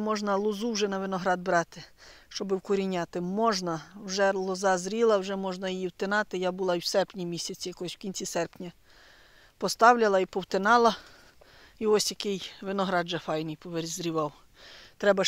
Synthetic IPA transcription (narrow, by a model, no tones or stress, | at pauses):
mɔʒnɐlˠʊzuwʒɛnɐʋɪnɔɦɾɑd̪bɾɑt̪ɪ̥ | ʃt͡ʃɔbɪwkʊɾʲinʲɑt̪ɪmɔʒnɐwʒɛlˠɔzɑzɾʲilˠɐwʒɛmɔʒnɐjijiwt̪enɑt̪ɪjabʊlˠɑiwsɛrpnʲimʲisʲɐt͡sʲijɐkɔsʲwkʲinʲt͡sʲisɛrpnʲɐ | pɔst̪ɑwlʲɐlˠɐipɔwt̪enɑlˠɐ | iɔsʲjɐkɪjʋɪnɔɦɾɑd̪ʒɛfɑjnɪjpɔʋeɾʲzʲɾʲiʋɑw | t̪ɾɛbɐ